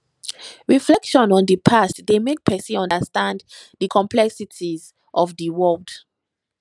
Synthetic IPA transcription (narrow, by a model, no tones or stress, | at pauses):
ɹiflɛkʃɔ̃nɔ̃ndəpʰastdemek̚pʰɛsiɔ̃ndəstãnddəkʰɔ̃mplɛksitʰiz | ʔɔvdiwɜld